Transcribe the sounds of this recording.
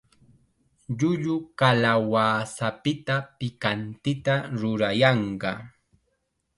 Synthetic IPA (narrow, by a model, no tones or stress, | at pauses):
ʎʊʎʊkalawaːsapɪt̪apɪkant̪ɪt̪aɾʊɾajɑɴɢɑ